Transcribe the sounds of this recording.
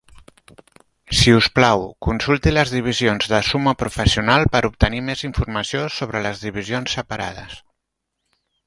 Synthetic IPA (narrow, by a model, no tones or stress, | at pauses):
siusplawkunsulˠt̪iləzðiβ̞izionzðəsuməpɾufəsiunalˠpəɾup̚t̪ənimeziɱfuɾməsiosoβɾələzðiβ̞izionsːəpəɾa̰ðəs